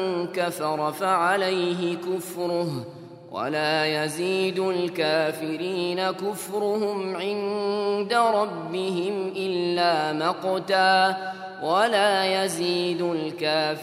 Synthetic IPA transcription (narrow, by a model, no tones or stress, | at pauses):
nkafɑɾˤfaʕalajɦɪkʊfɾʊ | wa̰laːjaziːd̪ʊlkaːfɪɾiːnakʊfɾʊhʊmʕɪnd̪aɾˤɑbːɪɦɪmʔɪlːaːmɑqt̪aː | walaːjaziːd̪ʊlkaː